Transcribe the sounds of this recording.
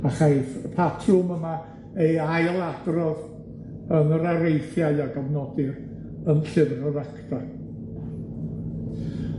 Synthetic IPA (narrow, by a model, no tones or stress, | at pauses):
aχaɨðpʰatʰʊməma | ejajlˠaɡrɔð | ənəɾaɾejθjaɨaɡəvnɔdɪr | ənɬɪvrɔɾakta